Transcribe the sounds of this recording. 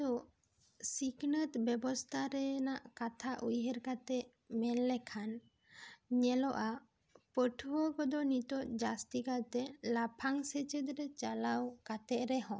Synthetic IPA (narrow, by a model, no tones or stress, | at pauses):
t̪ɔ | siɡnət̪bɛbɔst̪ʰaɾɛnaʔkat̪ʰaʔujɦɛɾkat̪ɛʔ | mɛlːɛkʰan | ɲɛlɔʔa | pəʈʰuəkɔd̪ɔnit̪ɔʔd͡ʒast̪ikat̪ɛlapʰaŋsət͡ʃəd̪ɾɛt͡ʃalawkat̪ɛʔɾɛɦɔ̃